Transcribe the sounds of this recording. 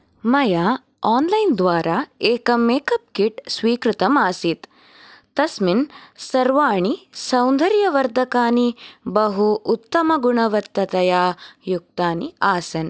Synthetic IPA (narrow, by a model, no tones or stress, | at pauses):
mɐjaː | aːnlɐjnd̪ʋaːɾaeːkɐmeːkɐp̚kiʈsʋiːkɾɪt̪ɐmaːsit̪ | t̪ɐsminsɐɾʋaːɳisɐwnd̪ʱɐɾjɐʋɐɾd̪ʱɐkaːnibɐɦuːt̪ːɐmɐɡuɳɐʋɐt̪ːɐt̪ɐjaːjuk̚t̪aːniaːsɐn